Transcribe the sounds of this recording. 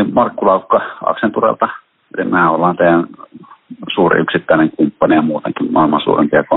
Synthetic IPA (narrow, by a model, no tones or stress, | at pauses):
mɑrkːulɑˑukːɑɑ̰ksent̪urḛlt̪ɑ | elimææolːɑːˑnt̪eˑæn | suːrḭʔyksit̪ːæˑeneŋkumpːɑnijɑmuːt̪ḛŋkimmɑ̰ˑelmɑnsṵːrḛmpiɑko